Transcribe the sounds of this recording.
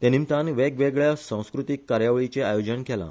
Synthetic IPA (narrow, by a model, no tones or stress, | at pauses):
t̪ɛ̃nimt̪anʋeɡʋeɡɭjasãw̃skɾut̪ikːaɾjaʋɭit͡seajod͡ʑəɳkʰɛla̰